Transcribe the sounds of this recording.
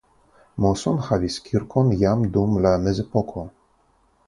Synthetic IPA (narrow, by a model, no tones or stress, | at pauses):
mɔsɔnxavʲiskʲʰiɾkɔnjamd̪umlanɛzɛpɔkʰɔ